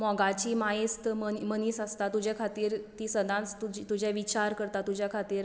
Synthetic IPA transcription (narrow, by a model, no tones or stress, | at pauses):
mɔɡat͡ɕiːmast̪əmmənisast̪at̪ud͡ʑjakʰat̪iːɾt̪iːsəd̪ʱãnt͡st̪ud͡ʑit̪ud͡ʑjaʋit͡ɕaɾkəɾt̪at̪ud͡ʑʱjakʰat̪iːɾ